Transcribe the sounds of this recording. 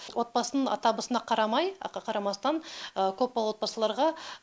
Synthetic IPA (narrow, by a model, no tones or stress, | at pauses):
wʔo̞t̪̚bɑsənəɴɑ̰t̪ɑbəsənɑqʰɑɾɑmɑjqɑqʰɑɾɑmɑst̪ɑŋəkʲʰɵp̚ːɑlˠuwot̪bɑsəlˠɑɾʁɑ